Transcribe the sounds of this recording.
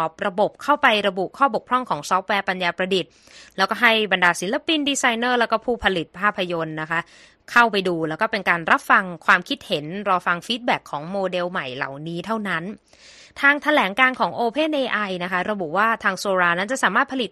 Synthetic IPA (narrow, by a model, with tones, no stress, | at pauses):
ɔː˨˩p̚ɾa˧bo˨˩p̚kʰa˥˩wpa˧jɾa˧bu˨˩ʔkʰɔː˥˩bo˨˩k̚ʰɾɔ˥˩ŋkʰɔː˩˦ŋsɔː˦˥p̚wɛː˧pa˧njaː˧pɾa˧di˨˩t̪̚ | lɛː˦˥wkɔː˥˩ɦa˥˩jba˧ndaː˧si˩˦nla˧pi˧ndiː˧sa˧jnɤː˥˩lɛː˦˥wkɔː˥˩pʰuː˥˩pʰa˧li˨˩t̪̚pʰaː˥˩pʰːa˧jo˧nːa˦˥kʰa˦˥ʔ | kʰa˥˩wpa˧jduː˧lɛː˦˥wkɔː˥˩pe˧nkaː˧nɾa˦˥p̚fa˧ŋkʰwaː˧mkʰi˦˥t̪̚he˩˦nɾɔː˧fa˧ŋfiː˦˥t̪̚bɛː˨˩kʰːɔː˩˦ŋmoː˧de˧wma˨˩jla̰˨˩wniː˦˥t̪ʰa˥˩wna˦˥n | t̪ʰaː˧ŋt̪ʰa˧lɛː˩˦ŋkaː˧nkʰɔː˩˦ŋʔoː˧pʰe˥˩nʔeː˧ʔa˧jna˦˥kʰa˦˥ɾa˧bu˨˩waː˥˩t̪ʰaː˧ŋsoː˧ɾaː˧na˦˥nt͡ɕa˨˩ʔsaː˩˦maː˥˩t̪̚pʰa˧li˨˩t̪̚